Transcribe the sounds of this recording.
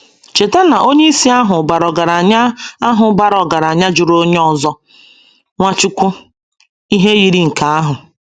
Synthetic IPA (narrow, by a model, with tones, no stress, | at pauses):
t͡ʃe˨te˦na˨ʔo˦ɲe˦i˦si˦a˦ɦʊ˨ba˨ɾɔ˨ɡa˨ɾa˨ɲa˦a˦ɦʊ˨˦ba˦ɾɔ˨ɡa˨ɾa˨ɲa˦d͡ʒʊ˨ɾo˦ɲe˦ɔ˨zɔ˦ | ŋʷa˦t͡ʃɪ˦kʷʊ˦ | i˦ɦe˦ji˨ɾi˦ŋ̩˨ka˨a˦ɦʊ˨